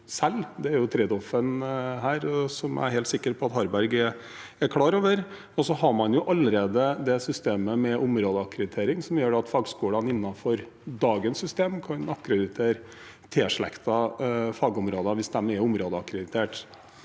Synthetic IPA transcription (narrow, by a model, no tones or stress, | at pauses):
sɛlːd̪ɛæɾjʊt̪ʰɾeːd̪ɔfənɦæːɾsɔmæ̰ɾhɛɪːlt̪sɪkːəɾpʰɔɑt̪hɑɾbæɾɡɛ | ækʰɽɑːɾoːʋəɾ | ɔsɔɦɑɾmɑnjʊʔɑlːəɾeːd̪əd̪ɛsʏst̪eːməmɛʔʊmɾoːd̪əɑkɾəd̪ɪt̪ʰeːɾɪŋsɔmjøːɖɛɑt̪fɑːɡskuːlɑnɪnːɑfɔɾ | d̪ɑːɡənsʏst̪eːmkʰɑnɑkːɾəd̪ɪt̪ʰeːɾ | t̪ʰeːʂɭɛ̰kt̪ɑfɑːɡɔmɾoːd̪ɑʋɪsd̪ɛmɛɾʊmɾoːd̪əɑkɾɛd̪ɪt̪ʰeːʈ